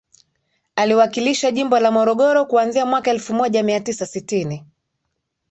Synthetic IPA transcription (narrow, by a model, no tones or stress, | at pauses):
aliwakiliʃaʄimbɔlamɔɾɔɠɔɾɔkuanziamwakaɛlfumɔʄamiatisasitini